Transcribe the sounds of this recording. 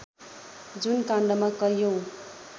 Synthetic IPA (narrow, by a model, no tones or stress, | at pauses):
d͡zunkaɳɖʌmakʌjow